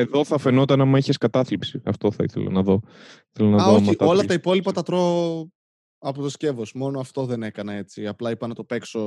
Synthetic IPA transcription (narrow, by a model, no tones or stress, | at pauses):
e̞ðo̞θɐfe̞not̪ɐnɐmɐiçe̞skɐt̪ɐθlipsiɐ̰ft̪o̞θɐḭθelɐ̰nɐðo̞iθelonɐðomɐit̪ɐo̞lɐt̪ɐipo̞lipɐt̪ɐt̪ɾo | ɐpot̪o̞sce̞vo̞smo̞noɐft̪o̞ðe̞ne̞kɐnɐe̞t͡siɐplɐipɐnɐt̪o̞pe̞kso̞